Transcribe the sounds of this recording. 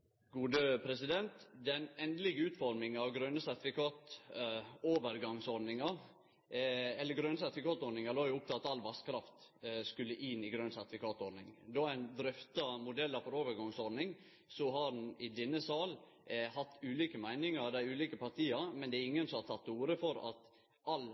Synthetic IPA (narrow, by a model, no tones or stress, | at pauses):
ɡuːd̪əpʰɾɛsɪd̪ɛnt̪d̪ɛnɛnd̪əlɪɡəʉːt̪fɔɾmɪŋɑʋɡɾœnəsæɾt̪ɪfɪkʰɑːt̪ | oːʋəɾɡɑŋsɔɾɖnɪŋɑ | ɛlːəɡɾœnəsæt̪ɪfɪkɑːt̪ɔɖ̪nɪŋɑloːjʊʊp̚ːt̪ʰɪlɑt̪ɑlʋɑskʰɾɑft̪skʉlːəʔɪnɪɡɾøːnsæɾt̪ɪfɪkʰɑːt̪ɔɖnɪ̰ŋd̪ɔæɪnd̪ɾʏft̪ɑmʊd̪ɛlːəfɔɾoːʋəɾɡɑŋsɔɖnɪŋ | sɔɦɑɖn̩ɪd̪ɪnːəsɑːl | hɑt̪ːʉːliːkəmæɪnɪŋɑɾd̪æɪʉːliːkəpɑɾt̪ʰiːɑmɛnd̪ɛæɾɪŋːənsɔmhɑɾt̪ʰɑt̪ːuːɾəfɔɾɑ̰t̪ | ɑl